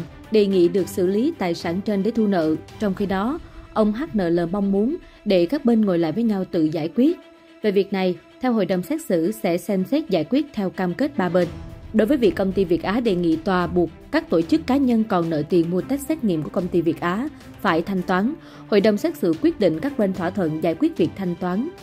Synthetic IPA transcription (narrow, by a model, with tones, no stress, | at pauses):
ɗe˨˩ŋḭ˧˨ɗɨ˨˩ək̚sɨ̰˧˩li˨˦t̪a̰ː˨˩jsaː˧˩nt͡ɕe˧nɗe˧˩˦t̪ʰu˧nə̰ː˧˨t͡ɕɔ˧wŋ͡mxi˧ɗɔ˨˦ʔə˧wŋ͡mɦaː˦˥t̚nə̰ː˧˨˩ləː˨˩ma˧wŋ͡mmu˨˦ən | ɗe˧˩kaː˦˥k̚ɓe˧nŋo˨˩jla̰ː˧˨jvəː˨˦jɲa˧wt̪ɨ̰˧˨zaː˧˩jkwi˦˥ət̚ | ve˨˩vi˨˩ək̚na˨˩j | t̪ʰɛ˧wɦo̰˧˨jɗə˨˩wŋ͡msɛ˦˥t̚sɨ̰˧˥sɛ̰˧˥sɛ˧msɛ˦˥t̚zaː˧˩jkwi˦˥t̚t̪ʰɛ˧wkaː˧mke˦˥t̚ɓaː˧ɓe˧nɗo˨˦jvəː˨˦jvḭ˨˩əkə˧wŋ͡mt̪i˧vi˨˩ət̚ʔaː˨˦ɗe˧˨ŋḭ˧˨t̪waː˨˩ɓu˨˩ək̚kaː˦˥k̚t̪o˧˩t͡ɕɨ˦˥kːaː˨˦ɲə˧nkɔ˨˩nnə̰ː˧˨jt̪i˨˩ənmu˧ət̪a˦˥k̟̚sɛ˦˥t̚ŋḭ˧˨əmku˧˩əkə˧wŋ͡mt̪i˧vi˨˩ət̚ʔaː˨˦ | faː˧˩jt̪ʰa˧jŋ̟t̪waː˨˦n | ho̰˧˨jɗə˨˩wŋ͡msɛː˦˥t̚sɨ̰˧˩kwi˦˥ət̚ɗḭ̈˧˨ŋ̟kaː˦˥k̚ɓe˧nt̪ʰwaː˧˩t̪ʰwə̰˧˨nzaː˧˩jkwi˦˥ət̚vi˨˩ək̚t̪ʰa˧jŋ̟t̪waː˨˦n